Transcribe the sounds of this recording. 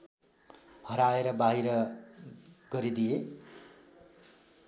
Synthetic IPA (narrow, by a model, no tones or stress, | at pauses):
hʌɾaeɾʌbaɦiɾʌ | ɡʌɾid̪ije